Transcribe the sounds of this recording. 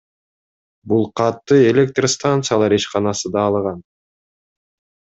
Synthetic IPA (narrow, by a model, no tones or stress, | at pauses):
bulˠqʰɑt̪ːɯe̞lʲek̚t̪rəst̪ant̪sɨjalˠɑɾiʃqɑnɑsɯd̪ɑːlˠʁɑn